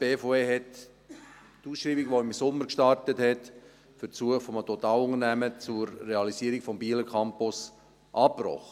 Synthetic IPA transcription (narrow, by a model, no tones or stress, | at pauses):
b̥eːfoːeːɦɛt | tuːsʃɾiːbiɡʋoɪmsʊmːəɾkʃtɑrtəthɛt | fəɾsuəχfɔmətot̪ɑːlʊŋənæmət͡sʊɾːeɑlisiəɾiɡfɔmbiːləkʰɑmpʊs | ʔɑːpɾɔ̰χ